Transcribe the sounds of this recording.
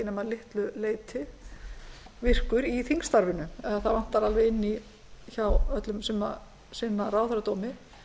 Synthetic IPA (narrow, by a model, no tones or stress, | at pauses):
ɪnɛmaðlɪht̪lʏleːjt̪ʰɪ | vɪr̥kʏɾiθiŋst̪aɾvɪnʏɛðaθaðvan̥t̪ːaɾalvɛɣɪnːi | çawœt̪lʏmsɛma̰ | sɪnːaɾaːwθɛɾat̪ɔːmɪ